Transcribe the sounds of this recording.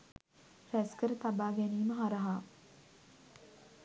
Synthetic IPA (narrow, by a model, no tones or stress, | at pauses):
ɾæskəɾət̪abaːɡɛniːməɦaɾɐɦaː